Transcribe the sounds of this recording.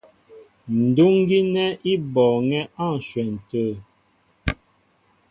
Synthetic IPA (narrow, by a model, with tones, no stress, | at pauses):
n̩˨du˦ŋ˦ɡi˦nɛ˦ʔi˦bɔ˨ŋɛ˦a˦˨n˨ʃwɛ˨n̩˨tə˦˨